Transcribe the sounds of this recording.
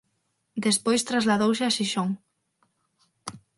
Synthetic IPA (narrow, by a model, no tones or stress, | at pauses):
d̪espojst̪ɾazlaðowseaʃiʃoŋ